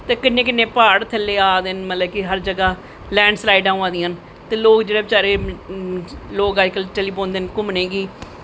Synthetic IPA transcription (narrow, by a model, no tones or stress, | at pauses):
t̪eːkɪnːẽːkɪnːẽːpaːɽt̪ʰəlːeːaːd̪ɪnmət̪ləbkɪɦəɾd͡ʒəɡaː | lɛ̃ːɳɖslaːɪɖãːãːd̪iːən | t̪eːloːkd͡ʒeːɽeːbɪt͡ʃaːɾeː | loːkaːkəlt͡ʃəliːpõːnd̪eːnkʊmneːɡiː